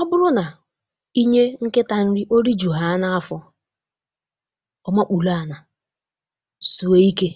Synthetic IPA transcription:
ɔ˦bʊ˦ɾʊ˦na˨ | i˦ɲe˦ŋ̩˦kɪ˦ta˨n̩˦ɾɪ˦ʔo˦ɾi˦d͡ʒu˨ɦa˨a˦na˦a˦fɔ˨ | ɔ˦ma˦k͡pu˨la˦a˨na˨ | su˨e˦i˦ke˦

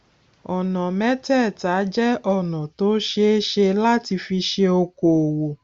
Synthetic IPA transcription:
ɔ˨nɔ̃˨mɛ̃˦tɛ˦˨ta˨˦d͡ʒɛ˦ʔɔ˦˨nɔ̃˨to˨˦ʃe˦ʃe˧la˦ti˧fi˧ʃe˧o˧ko˨wo˨

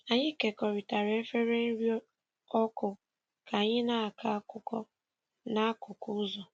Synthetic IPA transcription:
a˨ɲɪ˦ke˨kɔ˨ɾi˨ta˨ɾe˦fe˦ɾe˦n̩˦ɾi˦ | ɔ˦kʊ˨ | ka˨ɲɪ˦na˦a˨ka˦a˦kʊ˦kɔ˦ | na˦a˦kʊ˨kʊ˦zɔ˨

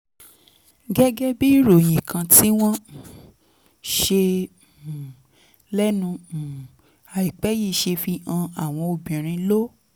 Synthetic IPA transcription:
ɡɛ˦ɡɛ˦bi˦i˦˨ɾo˨j̃ĩ˨kʰã˧ti˦w̃ɔ̃˦ | ʃe˧˨ | lɛ˦nũ˧˨ | a˨i˨k͡pɛ˨˦ji˦˨ʃe˧fi˧ã˧a˨w̃ɔ̃˧o˧bĩ˨ɾ̃ĩ˧˦lo˦

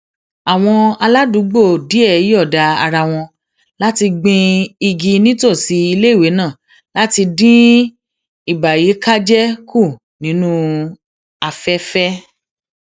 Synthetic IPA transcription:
a˨w̃ɔ̃˧a˧la˦du˨˦ɡ͡bo˦˨di˨˦ɛ˦˨i˦ɔ˦˨da˧a˧ɾa˧w̃ɔ̃˧ | la˦ti˧ɡ͡bĩ˧i˧ɡi˧nĩ˦to˦˨si˨˧˦i˧le˦i˦˨we˨˦nã˦˨ | la˦ti˧dĩ˦ | i˦˨ba˨ji˨˦ka˦d͡ʒɛ˦kʰu˦˨ | nĩ˨˦nũ˦ | a˧fɛ˦fɛ˦

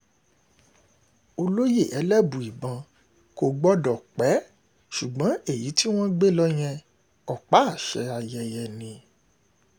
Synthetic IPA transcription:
o˧lo˦je˦˨ʔɛ˨˦lɛ˦bũ˨i˨bã˧ | ko˧ɡ͡bɔ˦dɔ˨k͡pɛ˨˦ | ʃu˨ɡ͡bã˨˦e˦˨ji˨˦ti˦w̃ɔ̃˦ɡ͡be˦lɔ˦j̃ɛ̃˧ | ɔ˨k͡pa˨˦a˦˨ʃɛ̰˨˦a˧jɛ˧jɛ˧nĩ˧

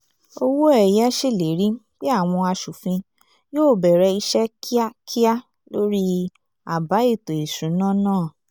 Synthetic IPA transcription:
o˧wo˦ɛ˦˨jɛ˦ʃi˦˨le˨˦ɾĩ˦k͡pi˦a˦˨w̃ɔ̃˧a˧ʃu˨fĩ˧ | joː˦˨bɛ˨ɾɛ˧i˧ʃɛ˦kʰi˦a˦kʰi˦a˦ | lo˦ɾi˦ | a˨ba˨˦i˦˨to˨i˨ʃũ˨˦nã˦˨nãː˦˨

